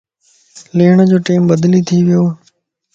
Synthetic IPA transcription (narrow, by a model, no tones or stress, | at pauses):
leːɳd͡ʑoːʈiːmbəd̪lit̪ʰiːʋɪjoː